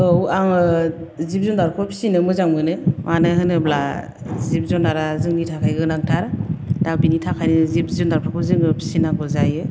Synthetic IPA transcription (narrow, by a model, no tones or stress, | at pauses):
ɯwaŋɯzip̚zɔndaɾkʰɔpʰi̥sinɯmɯzaŋmɯnɯmanɯɦɯnɯbla | zip̚zɔndaɾazɯŋnitʰakʰajɡɯnaŋtʰaɾdabinitʰakʰajnɯzip̚zɔndaɾpʰɾakʰɔzɯŋɯpʰi̥sinaɡʰɔzajɯ